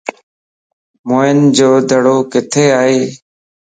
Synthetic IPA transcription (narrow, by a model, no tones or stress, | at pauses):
moːɪnd͡ʒoːd̪ʱəɽoːkɪt̪ʰeːaːɦeː